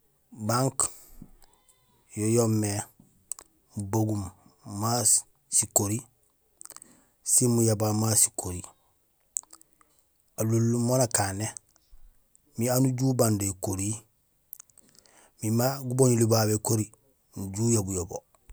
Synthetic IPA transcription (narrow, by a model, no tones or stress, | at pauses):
baŋk | jojomːe | muboɡumːa | sikoɾi | simujabamasi̥kʰoɾi | alulːumonakane | mianuɟuːbandekoɾi | mimaɡuboɲulibabekoɾi | nuɟuːjabujobo